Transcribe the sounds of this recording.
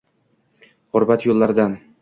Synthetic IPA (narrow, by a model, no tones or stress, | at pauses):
ʁʊɾbat̪jolˠːaɾd̪an